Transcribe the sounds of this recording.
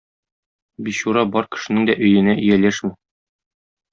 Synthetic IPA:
biɕuɾɑbɒɾkɘ̥̆ʃɘ̆nɘŋd̪æʔɵ̆jɘ̆næʔɵ̆jælæʃmɘ

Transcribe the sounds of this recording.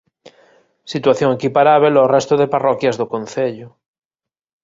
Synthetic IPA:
sit̪waθjoŋekipaɾaβelorest̪oðeparɔkjazðokõn̟θeʎo

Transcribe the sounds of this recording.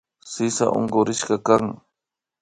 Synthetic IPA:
sɪsa̰ʔo̰ŋɢʊɾɪʃɢɑkaŋ

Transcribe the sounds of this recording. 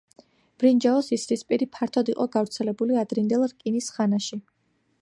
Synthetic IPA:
b̥ɾind͡ʒaɔsisɾispʼiɾipʰaɾt̪ʰɔd̪iqʼɔɡavɾt̪sʰɛlɛbuliad̪ɾind̪ɛlˠɾkʼinisχanaʃi

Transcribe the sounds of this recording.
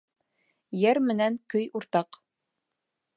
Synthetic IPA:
jæɾmɘ̆næŋkɵjuɾt̪ɑq

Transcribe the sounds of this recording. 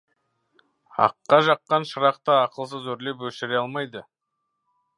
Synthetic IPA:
ɑ̰qːɑʒɑqːɑnʃəɾɑqt̪əːqəlˠs̬əzɵɾle̞p̬wɵʃɪɾeɑlˠmɑjd̪ə

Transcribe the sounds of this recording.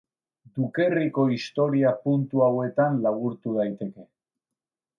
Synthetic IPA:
d̪uke̞riko̞ist̪o̞ɾiapunt̪uawe̞t̪anlaɣuɾt̪uð̞ajt̪e̞ke̞

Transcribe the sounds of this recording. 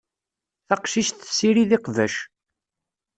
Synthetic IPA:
θɑqʃiʃθəsːiɾiðiqvæ̰ʃ

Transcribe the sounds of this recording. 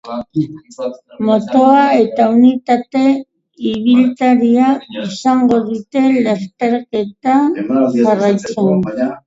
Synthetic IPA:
mo̞t̪oae̞t̪aunit̪at̪e̞ | iβilt̪aɾiaisaŋɡo̞ðut̪e̞last̪eɾke̞t̪aʝarajt͡seŋ

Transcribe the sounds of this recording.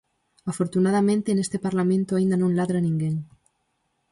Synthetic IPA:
afo̞ɾt̪unað̞amẽnt̪eːnest̪epaɾlamẽnt̪oaind̪anõnlaðɾanĩŋɡeŋ

